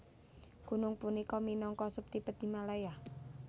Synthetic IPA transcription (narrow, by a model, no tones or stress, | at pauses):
ɡ̥unʊŋpunikɔminɔŋkɔsʊp̚t̪ipət̪̚d̪imalajah